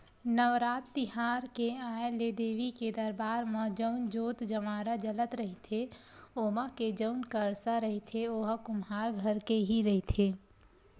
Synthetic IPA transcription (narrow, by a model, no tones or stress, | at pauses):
nəʋɾaːt̪ːɪɦaːɾkeaːjeleːd̪eːʋiked̪ɐɾbaːɾmãd͡ʒəʊnd͡ʒoːt̪d͡ʒəmaːɾad͡ʒələt̪ɾəɦit̪ʰe | oːmaked͡ʒəʊnkəɾsaɾəɦet̪ʰeoːɦkʊmɦaːɾɡʱɐɾkeɦiɾəɦet̪ʰeː